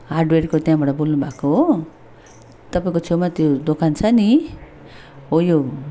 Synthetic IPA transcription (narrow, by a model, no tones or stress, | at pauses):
ɦaɖweɾkot̪jãbaʈʌbolnubʱako | t̪ʌpaĩkot͡sʰomat̪jod̪okant͡sʰʌni | ojo